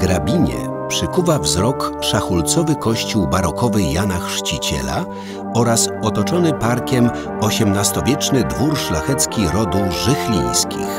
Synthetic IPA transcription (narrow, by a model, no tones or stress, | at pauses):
ɡɾabʲiɲɛ̰ | pʂɘkuvavzɾɔkʂaxult̪sɔvɘkɔɕt͡ɕuwbaɾɔkʰɔvɘjanaxʂt͡ɕit͡ɕɛ̰la̰ | ɔɾasɔt̪ɔt͡ʂɔnɘpaɾkʲɛm | ɔɕɛmnast̪ɔvʲjɛt͡ʂnɘd̪vuɾʂlaxɛt̪skʲiɾɔd̪uʐɘxlʲḭj̃skʲḭx